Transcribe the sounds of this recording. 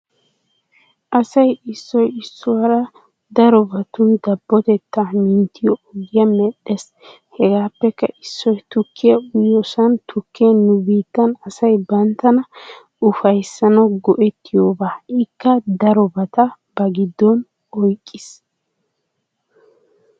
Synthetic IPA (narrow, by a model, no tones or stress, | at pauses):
ʔɐsɐjɪsːɔjɪsːʊwɐɾɐ | d̪ɐɾɔbɐt̪ʊnd̪ɐbːɔt̪ɛt̪ːɐmɪnt̪ːɪjɔɔɡɪjɐmɛɗes | hɛɡaːpːɛkːɐʔɪsːɔjt̪ʊkʰːɪjɐʊjɔsɐnt̪ʰʊkʰːenʊbiːt̪ːɐnɐsɐjbɐnt̪ːɐnɐ | ʊfɐjsːɐnɐɡɔʔɛt̪ːɪjoːbaːɪkːɐd̪ɐɾɔbɐt̪ɐ | b̥ɐɡɪd̪ːɔn | ɔjkʼːɪs